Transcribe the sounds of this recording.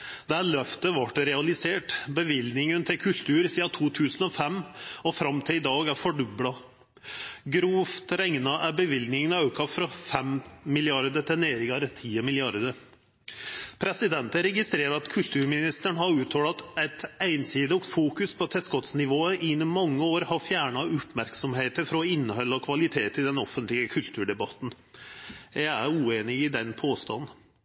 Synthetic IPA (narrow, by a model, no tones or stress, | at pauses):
d̪ɛæːɭœft̪əʋɑʈɾɛɑlɪseːʈbəʋɪlnɪŋənt̪ʰɪkʰʉlt̪ʰʉːɾsiːɑt̪ʰuːt̪ʰʉːsənɔfɛmːɔfɾɑmːt̪ʰɪlɪd̪ɑːɡæɾfɔɖʉblɑ | ɡɾuːft̪ɾɛŋnɑʔæɾbəʋɪlɡ̪nɪŋənɑʉkʰɑfɾɑfɛmmɪlɪɑɾd̪ət̪ʰɛneːɾɪŋɑɾt̪ʰiːəmɪlɪɑɾd̪ə | pʰɾɛsɪd̪ɛnt̪əɾɛɡɪst̪ɾeːɾəɑt̪kʰʉlt̪ʰʉːɾmɪnɪst̪əɳɦɑɾʉːt̪ʰhɔːlɑt̪æt̪æɪnsiːd̪əɔɡfuːkʉspʰɔt̪ʰɛskɔt̪snɪʋoːəʔɪnmɑŋːəoːɾhɑɾfjæːɳɑʉpmæɾksɔmheːt̪əɾfɾɔɪnːəhɔlːɔkʰʋɑlɪt̪ʰeːt̪ɪd̪ɛnɔfːənt̪lɪəkʰʉlt̪ʰʉːɖɛbɑt̪n̩ | jæɪæɾʉːeːnɪɪd̪ɛnpʰoːst̪ɑ̰n